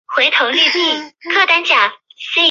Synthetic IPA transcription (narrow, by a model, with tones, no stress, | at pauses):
xwe˧˥ɪt̪ʰo˧˥ʊly˥˧t͡ɕi˥˩kʰɤ˥˩t̪a˥nt͡ɕjɑ˨˩ŋsi˥